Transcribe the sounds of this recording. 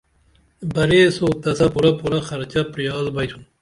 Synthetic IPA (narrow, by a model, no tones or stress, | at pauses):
bɐɾesoːt̪ɐsɐpuɾɐpuɾɐxɐɾt͡ɕɐpɾijɑːzbɐjt̪ʰun